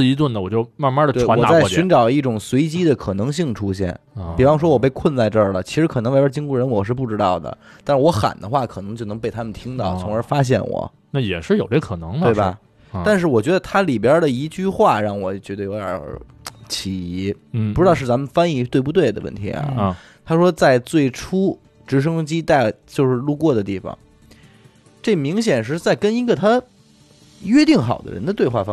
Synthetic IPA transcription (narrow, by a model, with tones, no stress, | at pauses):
i˧˥t̪wə˥˩nd̪ə˩wɔ˨˩t͡ɕjo˥˧ʊma˥˩nma˥də˨t̪e˥˩˧wɔ˨˩˥t͡sa˥˩˧ɕy˧˥nʈ͡ʂɑ˨˩ʊli˥˩ʈ͡ʂʊ˨˩ŋswe˧˥ɪt͡ɕi˥d̪ə˨kʰɤ˨˩nɤ˧˥ŋɕi˥˩ŋʈ͡ʂʰu˥ɕjɛ̰˥˩n | pi˨˩fɑ˥ŋʂ̬wɔ˥wɔ˨˩p̬e˥˧ɪkʰwə˥˧nt͡sa˥˧ɪʈ͡ʂə˥˩lə˩t͡ɕʰi˧˥ʂɻ̩˧˥kʰɤ˨˩n˧˥ŋa˥˩ə˞˧˥t͡ɕi˥ŋku˥˩ɻə˧˥nwɔ˨˩ʂ̬ɻ̩˥˧p̬u˥˩ʈ͡ʂɻ̩˥t̪ɑ˥˩ʊd̪ə̰˩ | t̪a˥˧nʂɻ̩˥˩wɔ˧˥xa̰˨˩nd̪ə˦xwa˥˩kʰɤ˨˩ɤ˧˥ŋt͡ɕjo˥˩ʊnɤ˧˥ŋpe˥˩ɪt̪ʰa˥mə˨nt̪ʰi˥ŋt̪ɑ˥˩ʊt͡sʰʊ˧˥ŋə˞˧˥fa˥ɕ̬jɛ̰˥˩nwɔ̰˨˩˦ | na˥˩jɛ˨˩ʂɻ̩˥˩jo˨˩ʊʈ͡ʂe˥˩kʰɤ˨˩nɤ˧˥ŋmwe˧˥˩ɪɐ˧˩ | a˥˧nʂ̬ɻ̩˥˩wɔ˨˩t͡ɕɥɛ˧˥d̪ə˧t̪ʰa˥li˨˩pjə˧˥də˨i˧˥t͡ɕy˥˧xwa˥˩ɻɑ˥˩ŋwɔ˨˩t͡ɕɥɛ˧˥d̪ə˧˨jo˧˥ʊd̪jə̰˞˨˩˥ | t͡ɕʰi˧˩i˧˥˩ | pu˧ʈ͡ʂɻ̩˥t̪ʊʂɻ̩˥˩t͡sa˧˥mə˨nfa˥ni˧˥t̪we˥˧ɪp̬u˥t̪̬we˥˩ɪd̪ə̰˩wə̰˥˩nt̪ʰḭ˧˥ɐ̰˨˩˧ | t̪ʰa˥ʂwɔ˥t͡sa˥˧ɪt͡swe˥˩ɪʈ͡ʂʰu˥ | ʈ͡ʂɻ̩˧˥ʂ̬ɤ˥ŋt͡ɕi˥t̪a˥˩ɪt͡ɕjo˥˧ʊʂɻ̩˥˧lu˥˧kwɔ˥˩d̪ə˩t̪i˥˩fɑ̰˨˩ŋ | ʈ͡ʂe˥˩mi˧˥ŋɕ̬jɛ˨˩nʂ̬ɻ̩˥˧t͡sa˥˩ɪkə˥ni˧˥ɡə˥˧˩t̪ʰa˥ | ɥɛ˥t̪i˥˩ŋxɑ˨˩ʊd̪ə̰˦ɻə̰˧˥nd̪ə˧t̪we˧xwa̰˥˩fɑ˥